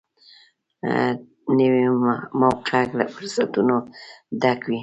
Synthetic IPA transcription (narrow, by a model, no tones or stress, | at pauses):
nəwemawqeakla̰fʊɾsat̪unod̪akwi